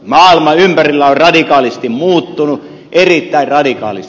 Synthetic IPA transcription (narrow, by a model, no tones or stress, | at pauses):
mɑːilmɑympærilːæorrɑdikɑːlist̪immuːt̪ːunu | ʔerit̪ːæirrɑdikɑ̰ːlis